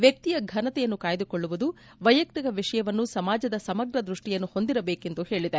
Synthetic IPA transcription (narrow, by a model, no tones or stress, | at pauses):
ʋjɐk̚t̪ijɐɡʱɐnɐt̪ɛjɐnːukaːjɐd̪ukoɭːuʋud̪u | ʋɐjɐk̚t̪ikɐʋiʂɐjɐʋɐnːusɐmaːd͡ʒɐd̪ɐsɐmɐɡɾɐd̪ɾuʂʈijɐnːuho̞nd̪iɾɐbeːke̞nd̪uhe̞ːɭid̪e